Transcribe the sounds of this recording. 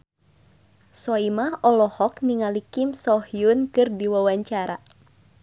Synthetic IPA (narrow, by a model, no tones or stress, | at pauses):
sɔimahɔlɔhɔkniŋalikimsɔhjunkɨrdiwawaɲt͡ʃaɾa